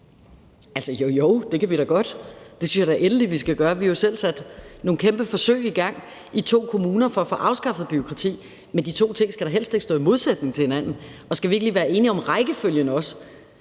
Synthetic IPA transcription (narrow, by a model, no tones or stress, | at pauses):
æl̰səjojoʊ̰d̥e̝kʰæʋiɾ̥ɑɡ̥ɒ̽d̥d̥e̝synsjɑd̥æɐʔenəliʋisɡ̥æɡ̥ɶːɐʋihjosel̰sæd̥no̝ːn̩kʰemb̥əfɒ̽sø̰ɪiɡ̥ɑ̈ŋ̰ | it͡sʰo̝̰ːkʰo̝muːnɐfɒ̽æfɔ̰ːʔɑ̈ʊsɡ̥ɑ̈fð̩ˠb̥yo̝kʰʁɑ̈t͡sʰḭː | mend̥it͡sʰo̝̰ːt͡sʰe̝ŋ̰sɡ̥æɾ̥ɑ̈ɦel̰sd̥e̝ɡ̥sɔ̰ːimo̝ðˠsed̥̚ne̝ŋt͡sʰe̝he̝næn̰n̩ɒ̽sɡ̥æʋie̝ɡ̥liʋæːɐe̝ːniɒ̽mʁɑ̈ɪɡ̥əføljənəɒ̽s